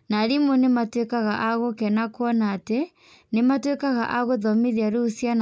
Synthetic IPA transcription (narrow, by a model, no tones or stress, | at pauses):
naɾimonematwekaɣaʔaɣokɛnakwɔnaːte | nematwekaɣa̰ʔaɣoðɔmeðiaɾosjan